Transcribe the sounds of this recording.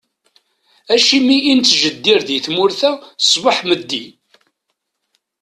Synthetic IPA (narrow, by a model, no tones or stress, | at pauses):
æʃimiʔint͡sːʒəd̪ːiɾðiθmʊɾθæ̥sbəħməd̪ːi